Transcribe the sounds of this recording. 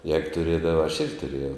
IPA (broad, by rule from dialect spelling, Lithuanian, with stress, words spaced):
jɛːk tʊˈrʲeːdɐʋɐ ɐʃ ˈɪrʲɡʲɪ tʊˈrʲeːjɛʊ